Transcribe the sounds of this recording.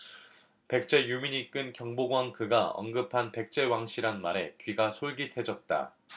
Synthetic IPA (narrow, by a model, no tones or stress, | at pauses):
pe̞k̚t͡ɕ͈e̞jumiɲik͈ɯnkjʌŋboɡwaŋkʰɯɡaʌ̰nɡɯpʰanpe̞k̚t͡ɕ͈e̞waŋɕʰiɾanmaɾe̞kɥiɡasʰoɭɡitʰe̞d͡ʑʌt̚t͈a̰